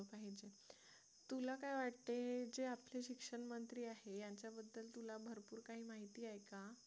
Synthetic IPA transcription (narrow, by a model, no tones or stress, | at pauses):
paɦid͡ʑe | t̪ulakajʋaʈt̪ed͡ʑeapleɕikʂəɳmənt̪ɾiːaɦejaɲt͡ɕjabəd̪ːəlt̪ulabʱəɾpuːɾkaɦiːmaɦit̪iːajka